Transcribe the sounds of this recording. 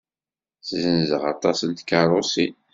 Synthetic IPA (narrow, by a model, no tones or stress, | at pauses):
szənzəʁɑt̪ˤɑsənt̪kɑrˤosi